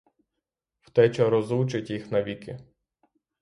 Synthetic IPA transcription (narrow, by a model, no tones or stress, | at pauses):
w̥t̪ɛt͡ʃɐɾɔzut͡ʃɪtʲjixnɐʋʲikɪ